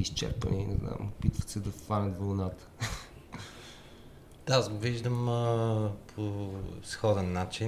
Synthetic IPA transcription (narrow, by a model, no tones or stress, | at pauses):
ist͡ʃɛ̰ɾpə̰ninɛzna̰mopit̪və̥t̪sɛd̪ɐt̪vanət̪volˠnat̪ə̥ | d̪̥aasɡoviʒd̪əməpʰosxɔd̪ɛnːat͡ʃi